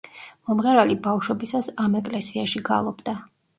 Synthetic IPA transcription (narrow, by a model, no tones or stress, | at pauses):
mɔmʁɛɾalibafʃwɛbisasamɛkʼlɛsiaʃiɡa̰lˠɔbd̪a